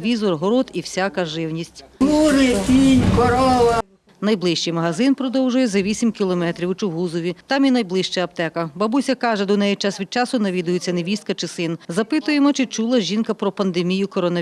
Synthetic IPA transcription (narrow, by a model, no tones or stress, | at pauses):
ʋʲizɔrɦɔɾɔt̪iwsʲakɐʒɪwnʲisʲtʲuɾɪt̪ʲinʲkɔɾɔʋɐ | nɐjblˠɪʃt͡ʃɪjmɐɦɐzɪnpɾɔd̪ɔwʒʊjɛzɐʋʲisʲimkʲilˠɔmɛt̪ɾʲiwt͡ʃʊɦuzɔʋʲit̪ɑminɐjblˠɪʃt͡ʃɛɐp̚t̪ɛkɐbɐbusʲɐkɑʒɛd̪ɔnɛjit͡ʃɑsʋʲid̪̚t͡ʃɑsʊnɐʋʲid̪ʊjet͡sʲːɐneʋʲist̪̚kɐt͡ʃɪsɪnzɐpɪt̪ʊjemɔt͡ʃɪt͡ʃulˠɐʒʲinkɐpɾɔpɐnd̪emʲijʊkɔɾɔnɐ